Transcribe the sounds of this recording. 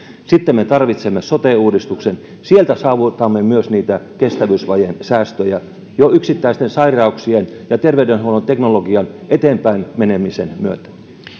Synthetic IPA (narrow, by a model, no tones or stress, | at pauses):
sit̪ːemmet̪ɑrʋit̪semːesot̪eˑuːdist̪uksen | sielt̪æsɑːʋut̪ɑmːemyøsniːt̪ækest̪æʋysʋɑjensæːst̪øjæ | joyksit̪ːæist̪ensɑirɑuksien | jɑt̪erʋeydenhuonont̪eknoloɡiɑnʔet̪eːmpæinmenemisenmyøt̪æ̥